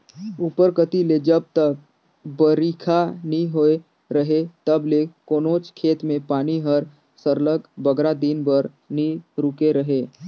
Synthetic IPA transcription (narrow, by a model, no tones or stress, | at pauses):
upəɾkət̪iled͡ʒəb̚t̪ək | bəɾikʰaniɦoe | ɾəɦet̪əblekoːnoːt͡ʃkʰeːt̪mẽpaːniɦəɾ | səɾləkbəɡɾad̪iːnbəɾ | niɾukeɾəɦeː